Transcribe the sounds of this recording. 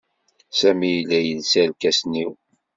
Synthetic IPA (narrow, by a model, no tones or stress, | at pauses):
sæmijlːæjəðsælkæsniw